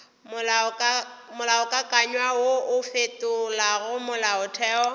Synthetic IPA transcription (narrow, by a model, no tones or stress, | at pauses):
mʊl | mʊlaɔkʼakʼaɲwawoʔʊfetʼʊlarʊmʊlaʊtʰɛːɔ